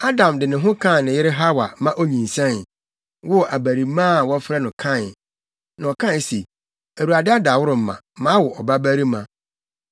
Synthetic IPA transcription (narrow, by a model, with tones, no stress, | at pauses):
a˦dã˨mdɪ˨nɪ̃˨ɦʊ̃˦kʰã˦˨nɪ̃˨jɪ˦ɾɪ˦ɦa˦wa̰˨mã˦ʔo˦ɲĩ˨n̩˨sã˦n˨ | wʊ˦˨a˨bæ˨ɾi˨mã˦˨wɔ˦fɾɛ˦nʊ̃˨kʰã˦˨n˨ | nã˨ɔ˨kʰã˦˨si˨ | æ˨u˨a˨dɪ˦a˦da˨wʊ˦ɾʊ˨m̩˦˨mã̰˨ | mã˦wʊ˨ʔɔ˨ba˦bæ˦ɾi˦mã̰˨